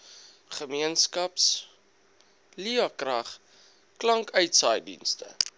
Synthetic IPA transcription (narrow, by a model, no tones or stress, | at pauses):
χəmiənskɐps | liɐkrɐχ | klɐŋkœɥtsɑjdḭnstə̰